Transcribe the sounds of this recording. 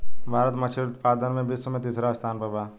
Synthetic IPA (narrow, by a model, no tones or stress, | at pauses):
bʱaːɾət̪mɐt͡ʃʰeɾʊt̪paːd̪ənmẽbisomẽt̪iːsɾast̪ʰaːnpɐbaː